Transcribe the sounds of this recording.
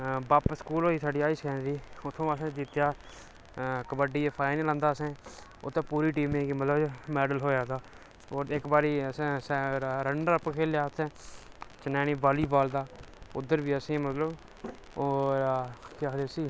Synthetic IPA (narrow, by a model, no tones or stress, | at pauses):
baːpskuːlɦoːiːsaːɖiːaːiːskɛːnɾiːʊt̪ʰːõːəsẽːd͡ʒit̪jaː | kəbəɖiːpʰaːɪnːlə̃nd̪aːsẽː | o̰ːt̪ãːpuːɾiːʈiːmẽːkiːmət̪ləbmɛːɖəlɦoːjaːd̪aː | oːɾɪkbaːɾiːəsẽsːɾəɳɖəɾəpːkʰeːljaːt̪ʰẽːt͡ʃənɛːñiːbaːliːbaːld̪aːʊd̪ːəɾbiːəsẽːmət̪ləb | oːɾkaːd̪eːsiː